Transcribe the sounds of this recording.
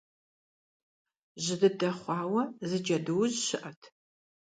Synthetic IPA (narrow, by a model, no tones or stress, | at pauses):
ʑɪdɨdɐχʷɑːwɐzɨd͡ʒɐdɨwʑɕɪʔɐtʰ